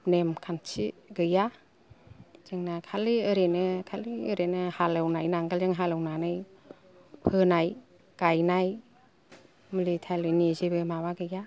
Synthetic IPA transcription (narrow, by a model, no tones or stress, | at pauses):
nemkʰant͡ʃiɡɯja | z̥ɯŋnakʰaliɯɾenɯkʰaliɯɾenɯhalɯwnajnaŋɡalzɯŋɦalɯwnanɯj | pʰɯnaj | kajnaj | mɯlitʰalɯnizibɯmawaɡɯja